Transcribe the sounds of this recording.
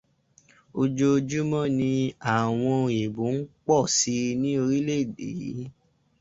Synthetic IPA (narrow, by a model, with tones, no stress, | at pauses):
o˧d͡ʒo˧d͡ʒu˦mɔ̃˦nĩ˧a˦˨w̃ɔ̃˧e˨bu˨˦n̩˦k͡pɔ˦˨si˧nĩ˦o˧ɾi˦le˦i˨de˨i˨˦